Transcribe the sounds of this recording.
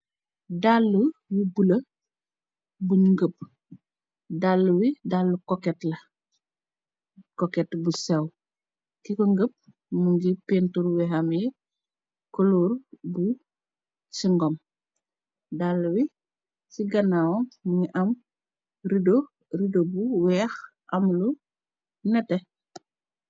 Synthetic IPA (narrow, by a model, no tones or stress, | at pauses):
dalːuwibulɐ | buŋɡəp̚ | dalːuwidalːukɔkɛtlɐ | kokɛtbusɛw | kikɔŋɡəp̚ | muŋɡipentuɾwɛɦame | koluːɾbu | siŋɡɔm | dalːuwi | siɡɐnawɔmuŋiʔɐm | ɾido | ridobuwɛːxʔɐmlu | nɛtɛ